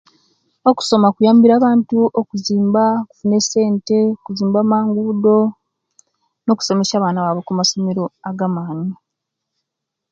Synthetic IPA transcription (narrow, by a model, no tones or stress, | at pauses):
oku̥so̞makujaːmbiɾaːβaːntuʔokuziːmbaoku̥fune̞se̞ːnte̞okuziːmbaːmaːŋɡudo̞ | no̞ku̥so̞me̞ʃaːβaːnaβaβo̞kumaso̞me̞ɾo̞aɡamaːni